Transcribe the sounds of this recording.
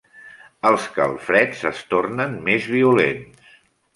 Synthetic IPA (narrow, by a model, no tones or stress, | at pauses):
əlˠskə̰lˠfɾɛzəst̪ornənmezβ̞iulens